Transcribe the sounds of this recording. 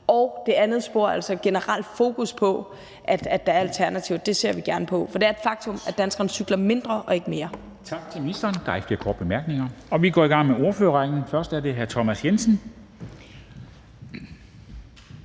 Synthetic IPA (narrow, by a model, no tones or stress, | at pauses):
ɒʊd̥e̝ænð̞̩ˠsb̥o̝ɐ̰æl̰sɒ̽ɡ̥e̝nəʁɑl̰d̥fo̝ːkʰuspʰɒ̽ | ʔæd̥æ̥ɑ̈æɐɐælt͡sʰæɐnæt͡sʰiʊd̥e̝se̝ɐ̰ʋiɡ̥æɐnəpʰɒ̽fɒ̽d̥e̝æɐed̥fɑ̈ɡ̥̚t͡sʰɔ̽mæd̥ænsɡ̥ʁɐnsyɡ̥lɐme̝nd̥ʁɐʔɒ̽e̝ɡ̥əme̝ːɐ | t͡sʰɑ̈ɡ̥t͡sʰe̝lminisd̥ɐːnd̥ɑ̈ɪfl̥iɐkʰɒːd̥b̥emæɐɡ̥ne̝ŋɐɒ̽ʋiɡ̥ɒ̰ːiɡɑ̈ŋ̰meo̝ɐføːɐʁɑ̈ɪn̩fɶɐsd̥æɐde̝ɦæɐt͡sʰɒmæsjensn̩